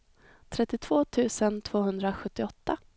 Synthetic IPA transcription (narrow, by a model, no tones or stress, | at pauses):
t̪ʰɾɛt̪ːɪt̪ʰv̥oːt̪ʰʉ̟ːsənt̪ʰv̥oːɦɵnd̪ɾaɧɵt̪ːɪɔt̪ːa